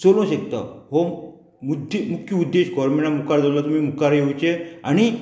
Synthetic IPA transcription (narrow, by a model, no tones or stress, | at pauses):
t͡solõɕek̚t̪ə̰ɦo | mud̪ʱmukʰjuud̪ːeɕɡʱɔɾmẽɳʈamukaɾd͡zawlat̪um̤iːmukaɾjeut͡ɕeaɽ̃i